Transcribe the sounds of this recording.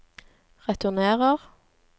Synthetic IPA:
ʁɛt̪ʉʁneːʁəʁ

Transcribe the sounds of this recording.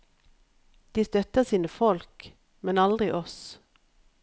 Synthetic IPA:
d̪̥iːst̪œt̪əsiːnəfɔlk | mɛnɑld̪ʁɪʔɔs

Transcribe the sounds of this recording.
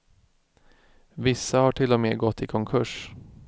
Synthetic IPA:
vɪsːahaʈʰɪlːɔmeːɡɔt̪ʰːɪkʰɔŋkʰɵʂ

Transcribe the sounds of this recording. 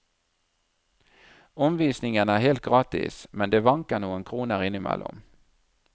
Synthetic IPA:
ɔmʋiːsnɪŋənæːheːlt̪̚ɡʁɑːt̪ɪ̰smɛnd̪eːʋɑŋkəɳuːənkʰʁuːnəʁɪnɪmʔɛ̰lʔʊ̰m

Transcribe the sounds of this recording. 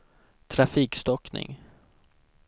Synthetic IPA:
t̪ʰɾafiːkst̪ɔknɪ̰ŋ

